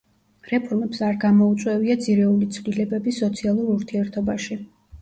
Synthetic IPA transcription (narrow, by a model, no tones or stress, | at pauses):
ɾɛpʰɔɾmɛpsaɾɡamɔut̪sʼwɛviad̪ziɾɛulit̪sʰvlilɛbɛbisɔt̪sʰialˠuɾuɾt̪ʰiɛɾt̪ʰɔbaʃi